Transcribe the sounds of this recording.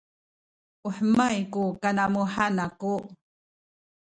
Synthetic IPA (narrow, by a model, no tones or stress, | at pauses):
uħəmajkukanamuħanaku